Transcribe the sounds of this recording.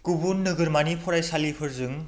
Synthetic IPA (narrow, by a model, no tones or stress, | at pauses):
kubunːɯɡɯɾmanipʰɔɾajsalipʰɯɾzɯŋ